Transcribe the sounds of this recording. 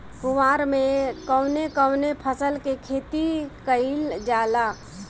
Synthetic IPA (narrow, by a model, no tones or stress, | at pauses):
kʊʋaːɾmẽkəʊnekəːʊnepʰəsəlkekʰeːt̪ikəild͡ʒaːlaː